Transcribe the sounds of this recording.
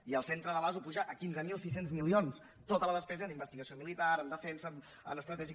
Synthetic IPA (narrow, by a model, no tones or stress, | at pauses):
iəlˠsent̪ɾəðəβazupuʒaəkinzəmilˠsis̬enzmilions | t̪ot̪ələðəspɛzəːnimbəst̪iɣəsiomilit̪aɾənd̪əfɛnsə | ə̰nəst̪ɾət̪ɛʒi